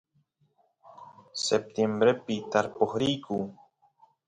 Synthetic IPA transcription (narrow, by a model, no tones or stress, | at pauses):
sep̚t̪jembɾepɪt̪aɾpoχɾijku